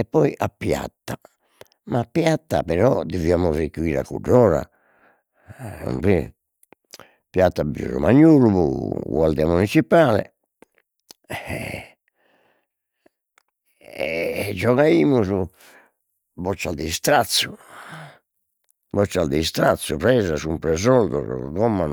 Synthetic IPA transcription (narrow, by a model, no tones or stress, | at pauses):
ɛpːɔiʔapːja̰t̪ːa | mapːjat̪ːa̰pɛɾɔd̪iviamusekuiːɾa̰kṵɖːɔːɾa̰ | ṵmpi | pjat̪ːabiṵɾɔ̰maɲːuːluβuɣwald̪ɛamunit͡ʃipaːlɛ̰ | d͡ʒɔɣaiːmuzu | bɔt͡ʃːald̪ist̪ɾat̪su | bɔt͡ʃːald̪ist̪ɾat̪sːupɾɛːzasumpɾɛzɔld̪ɔ̰ɾɣɔmːan